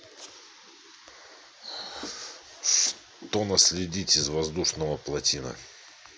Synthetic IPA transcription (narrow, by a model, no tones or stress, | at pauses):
ʂ | t̪onəsʲlʲɪdʲitʲɪzvɐzd̪uʂnəvəplˠɐtʲinə̰